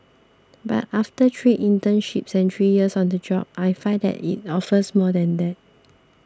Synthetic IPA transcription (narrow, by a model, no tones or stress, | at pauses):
ba̰taftətʰɹiʔĩntə̃nʃipsɛ̃nt̪ʰɹijiəsɔ̃ndəd͡ʒɔb̚ajfãɪdɛ̰tḭt̚ɔfəsmɔdɛ̃ndɛt̚